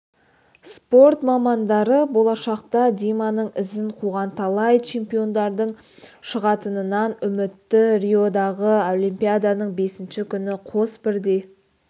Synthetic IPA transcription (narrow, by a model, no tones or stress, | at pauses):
spo̞rt̪mɑmɑnd̪ɑɾəbo̞lˠɑʃɑq̚t̪ɑd̪ʲimɑnəɴɪzɪnqʰuʁɑnt̪ʰɑlˠɑjt̪t͡ʃʰe̞mpijo̞nd̪ɑɾd̪əɴ | ʃəʁɑt̪ənənɑnʏmɪt̪ːɪɾʲijo̞d̪ɑʁəolˠijmpijad̪ɑnəɴbe̞sɪnʃɪkʲʰʏnɪqʰo̞sbɪɾd̪e̞